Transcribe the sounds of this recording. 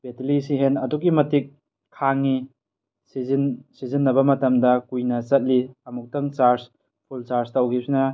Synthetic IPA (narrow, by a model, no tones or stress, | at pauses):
b̥etilisiɦenɐduɡimɐtik̚ʰː | aŋːi | sizinsizinːɐbɐmɐtɐmdɐkujnɐt͡ʃɐt̚liɐmuk̚tɐŋt͡ʃaɾs | pʰult͡ʃaɾstawɡisinɐ